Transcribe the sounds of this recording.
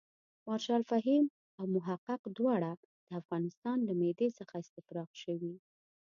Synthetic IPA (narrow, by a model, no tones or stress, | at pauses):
mɑɾʃɑlfaɦim | awmʊɦaqːɪqd̪wɑɽa | d̪̥əafɣɑnɪst̪ɑnlamed̪esəxaɪst̪ɪfɾɑqʃəwi